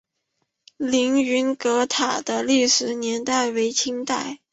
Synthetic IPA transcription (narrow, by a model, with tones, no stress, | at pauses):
li˧˥ŋy˧˥nkɤ˧˥t̪ʰa˨˩d̪̥ə˦li˥˩ʂɻ̩˨˩njɛ˧˥nt̪a˥˩ɪwe˧˥ɪt͡ɕʰi˥ŋt̪a˥˩ɪ